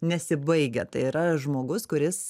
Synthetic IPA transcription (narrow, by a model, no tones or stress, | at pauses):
nʲɛsʲɪbɐɪɡʲɛ̰t̪ɐɪiɾɐʒmoːɡʊskʊɾʲɪs